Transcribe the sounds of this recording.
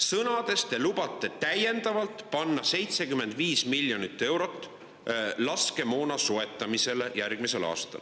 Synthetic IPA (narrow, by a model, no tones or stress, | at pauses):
sɤnɑd̪̥e̞st̪e̞lubɑt̪ːˑe̞t̪æje̞nd̪̥ɑvɑlt̪ˑpɑnːɑse̞jt̪se̞kyme̞nd̪̥viːsmilʲjo̞nit̪ːˑe̞wɾo̞t̪ːˑ | lɑske̞mo̞ːnɑsoe̞t̪ːˑɑmise̞le̞jærɡ̥mise̞lɑ̰ːst̪ɑ̰l